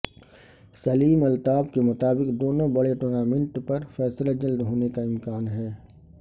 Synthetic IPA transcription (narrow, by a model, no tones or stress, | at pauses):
sɐliːmɐlt̪aːbkemʊt̪aːbɪkd̪oːnõbɐɽeʈoːnaːmɪ̃ɳʈpɐɾfɛːslad͡ʒɐld̪ɦoːnekaɪmkaːnɦɛː